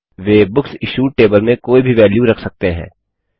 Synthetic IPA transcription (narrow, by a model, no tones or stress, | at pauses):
ʋeːbʊksɪʃuːʈeːbəlmẽkoːibʱiʋɛːljuɾɐkʰsɐk̚t̪eɦɛ̰̃ː